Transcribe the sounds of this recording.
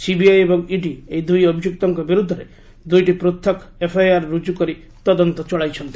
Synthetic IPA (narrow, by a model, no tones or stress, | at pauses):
sibiajebɔŋiɖiejd̪ujɔbʱijukt̪ɔŋkɔbiɾud̪ʱːɔɾe | d̪ujʈipɾot̪ʰːek | epʰajaɾːud͡ʒukɔɾi | t̪ɔd̪ɔnt̪ɔt͡ʃɔɭajt͡ʃʰɔnt̪i̥